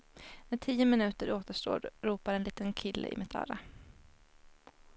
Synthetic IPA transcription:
mɛʈʰiːəmɪnʉ̟ːt̪əɾoːt̪əʂʈo̰ːɾɾuːpaɾɛnliːt̪ənkʰɪlːə̰ʔɪ̰mɪt̪ʰɑ̰ːɾa

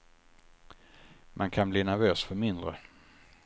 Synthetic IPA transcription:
mʔankʰanbliːnæɾvøːsfœɾmɪnd̪ɾə̰

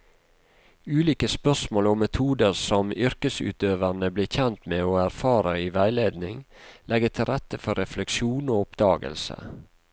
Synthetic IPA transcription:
ʉːliːkəspœsmoːlɔmːɛt̪ʰuːd̪əɾsɔmʏɾkəsʉ̰ːt̪øːʋənəbliːçɛnt̪meːoːæɾfɑːɾəiːʋæɪleːd̪nɪŋlʔɛɡət̪ʰɪɾɛt̪əfɔɾɛflɛkʃuːnoːʊpd̪̥ɑːɡə̰lsə̰

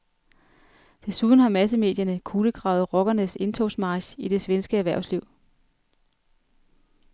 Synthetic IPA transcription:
d̥e̝suð̞ˠn̩ɦɑ̈mæs̬əme̝̰ːd̥jɐnəkʰuːləɡ̥ʁɑ̈ʊð̞̩ˠʁɒɡ̥ɐnəse̝nt͡sʰɔʊsmɑ̈ːɕid̥e̝sʋensɡ̥əæɐʋæɐʊsliʊ̰

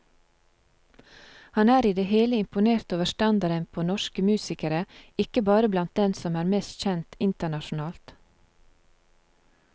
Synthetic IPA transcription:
hɑnæːɾiːd̪eːheːləɪmpʊneːɾt̪oːʋəʃtɑnd̪ɑɾənpʰoːnɔʃkəmʉːsɪkəɾəɪkəbɑːɾəblɑnt̪̚d̪ɛnsɔmæːɾmeːst̪c͡çɛnt̪ɪnt̪əɳɑʃʊn̩ɑːlt̪

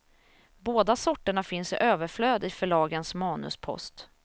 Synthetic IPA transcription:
boːd̪asɔʈːəɳafɪnsɪʔøːvəɾfløːd̪ɪfœɭɑːɡənsmɑːnɵ̰spʰɔ̰st̪

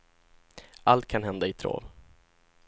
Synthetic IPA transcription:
ʔalt̪̚kʰanɦɛnd̪aɪt̪ʰɾo̰ːv

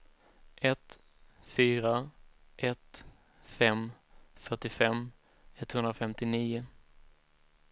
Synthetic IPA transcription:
ʔɛt̪ | fyːɾaʔɛt̪ | fɛmfœʈːɪfɛm | ɛt̪hɵnd̪ɾafɛmt̪ɪniːʊ

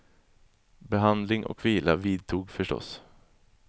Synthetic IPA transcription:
bɛɦand̪lɪŋʔɔ̰kviːlaviːd̪̚t̪ʰuːɡfœʂʈɔ̰s

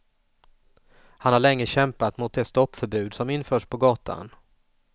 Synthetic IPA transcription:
hanhaɭɛŋːəɕɛmpat̪mʊt̪̚d̪ɛst̪ɔpːfœɾbʉ̟ːd̪sɔmɪnfœːʂpʰɔɡɑːt̪ʰa̰n

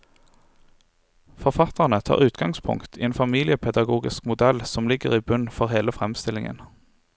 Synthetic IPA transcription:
fɔʁfɑt̪əʁnət̪ʰɑ̰ːʁʉːt̪ɡɑŋspʰʊ̰ŋt̪iːeːnfɑmiːlɪəpʰɛd̪ɑɡuːɡɪskmʊd̪ɛlsɔmlɪɡəʁiːbʉnfɔʁɦeːləfʁɛmst̪ɪlɪŋə̰n

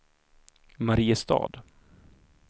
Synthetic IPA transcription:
maɾiːəst̪ɑ̰ːd̪

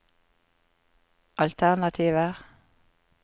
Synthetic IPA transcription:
ʔɑlt̪ʰæʁnɑt̪ʰiːʋə

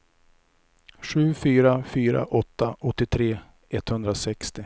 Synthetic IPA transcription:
ɧʉ̟ːfyːɾafyːɾa̰ʔɔt̪ːaɔt̪ːɪt̪ʰɾeː | ɛt̪ːhɵnd̪ɾasɛkst̪ɪ

